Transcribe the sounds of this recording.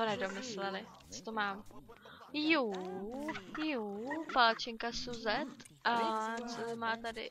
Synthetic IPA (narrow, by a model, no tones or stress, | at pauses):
t̪onɛdomɪslɛlɪ | t͡sot̪omaːm | juː | jupalat͡ʃɪŋkasuzɛt̪ | ʔat͡sot̪omaːt̪adɪ̰